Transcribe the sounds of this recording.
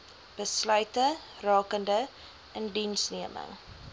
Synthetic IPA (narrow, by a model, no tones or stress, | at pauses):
b̥əslœɥtə | rɑːkəndə | əndinsniəmə̰ŋ